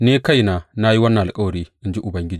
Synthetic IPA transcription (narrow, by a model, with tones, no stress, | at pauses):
neː˦ka˦˨jnaː˨na˦ji˦wɐ˦nːɐ˨ʔa˨kʼɐ˦wɐ˨ɽiː˦ʔɪ˦nd͡ʒi˦ʔʊ˨bɐ˦ŋɡʲɪ˦d͡ʒiː˨